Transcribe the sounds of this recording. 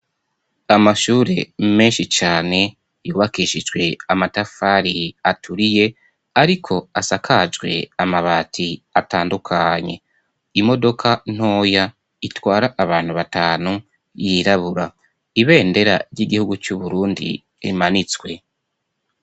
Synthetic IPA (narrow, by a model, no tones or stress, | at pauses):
amaʃuːɾe̞me̞ːnʃit͡ʃaːne̞ | juːβakiːʃid͡ʒɡwe̞amatafaɾiatʰuɾije̞ | aɾikʰo̞asakʰad͡ʒɡwe̞amaβaːtʰiataːndukʰaɲe̞̰ | imo̞do̞kʰan̥o̞ːja | itwaːɾaʔːβaːn̥huβataːnu | jiɾaβuɾa | iβe̞ːnde̞ɾa̰ɾɟiɡihuɡut͡ʃuβuɾuːndḭ | ḭmanit͡swe̞